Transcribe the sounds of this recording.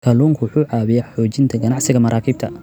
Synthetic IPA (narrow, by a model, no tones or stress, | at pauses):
kʰɐluːŋkʰʊwʊħuːʕɑːβɪjɐħɔːt͡ʃɪnt̪ʰɐɡɐnɑʕsɪɣɐmɐɾʔaːkʰiːb̚t̪ʰɐ